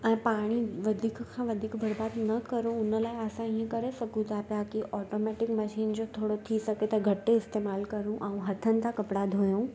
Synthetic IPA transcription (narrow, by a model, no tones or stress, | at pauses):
ɛ̃ːpaːɽ̃iʋɐd̪ʱiːkkʰãʋɐd̪ʱiːkbʱɐɽbaːd̪nɐkɐɾũʊnəlaːɪɐsãiːə̃kɐɾesɐɡʱũt̪apijakiʔɔːʈomɛːʈɪkmɐʃiːnd͡ʑot̪ʰoːɽot̪ʰisɐɡet̪ɐɡʱɐʈeɪst̪eːmaːlkɐɾũʔaũɦɐt̪ʰənɪ̆t̪ʰãkɐpɽad̪ʱoːjũː